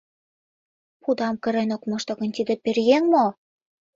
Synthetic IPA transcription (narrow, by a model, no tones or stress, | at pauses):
pud̪ɑmkə̆ɾenokmɑʃt̪ŏɣɤ̆nt̪id̪ĕperɣeŋmo